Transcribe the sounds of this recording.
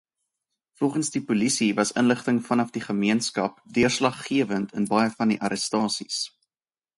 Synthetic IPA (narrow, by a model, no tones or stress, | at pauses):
fɔlˠχənsdipulisivɐsənləχtəŋfɐnɐfdiχəmiənskɐp̚dyərslɐχːiəvəntʰənbɐjəfɐndiʔɐɾəstɑːsis